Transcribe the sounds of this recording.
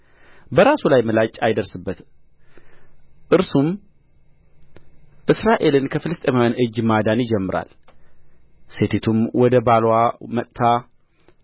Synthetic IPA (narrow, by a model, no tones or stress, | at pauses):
bəɾasulajməlat͡ʃʼajd̪əɾsɨbːət̪ | ʔɨɾsum | ʔɨsɾaʔe̞lɨnkʰəfɨlɨst̪ʼemawanʔɨd͡ʒmad̪anjɪd͡ʒɛmːɨɾa̰l | se̞t̪ʰet̪ʰumwɔd̪əbalwamət̪ʼt̪ʰa